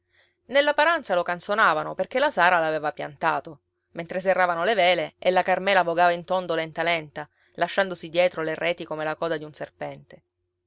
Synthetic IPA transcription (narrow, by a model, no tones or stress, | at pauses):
nelːapaɾant̪salokansonaːvanoperk̟elasaːɾalavɛːvapja̰nt̪aːt̪o | ment̪ɾes̬erːaːvanolevɛːleelːakarmɛːlavoɡaːvaint̪ond̪olɛnt̪alɛnt̪a | laʃːand̪osid̪jɛːt̪ɾolerɛːt̪ikomelakɔːd̪ad̪iunserpɛnt̪e